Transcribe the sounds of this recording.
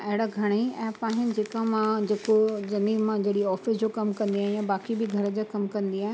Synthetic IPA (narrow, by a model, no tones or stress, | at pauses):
ɐɦɪɽaɡʱɐɽ̃eɛ̃ːpaːɦɪnɪ̆d͡ʑeːkamãd͡ʑeːkod͡ʑɐniːbmãd͡ʑɐɽiɔːfɪsd͡ʑokɐmkɐ̃nd̪iaːɦɪ̃jabaːkibɪɡʱɐɾəd͡ʑeːkɐmkɐ̃nd̪iaːɪ̃